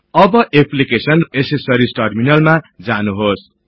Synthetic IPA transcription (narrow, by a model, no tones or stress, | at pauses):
ʌbʌʔepʰlikesʌnesesʌɾisʈʌrminʌlmad͡zanuɦos